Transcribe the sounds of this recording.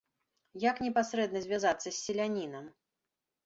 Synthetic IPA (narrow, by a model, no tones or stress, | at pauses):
jaknʲɛpasɾɛd̪nɐzʲvʲazat̪sːɐsʲːɛlʲanʲinɐm